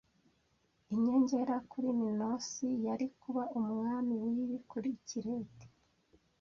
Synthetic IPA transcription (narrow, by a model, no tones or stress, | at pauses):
iɲe̞ɲɟe̞ɾakuɾimino̞sijaɾikuβaumŋaːmiwiːβikuɾiciɾeːti̥